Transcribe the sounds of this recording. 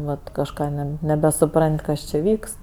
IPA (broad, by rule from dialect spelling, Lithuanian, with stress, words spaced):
ˈʋɐt kɐʃˈkɑː ˈnʲɛ nʲɛbʲɛsʊˈprɐnʲtʲ ˈkɐs t͡ʃʲɪ ˈʋʲiːkst